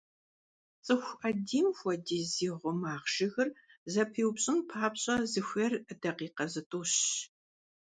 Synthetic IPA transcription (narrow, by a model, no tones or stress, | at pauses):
t͡sʼɨxʷʔɐdiːmxʷɔdiːziːʁʷʊmaːʁʒɪɣɨrzɐpʰiːwpɕʼɪmpʰaːpɕʼɐzɨxʷɐrdɐqiːqɐzɨtʼuːɕ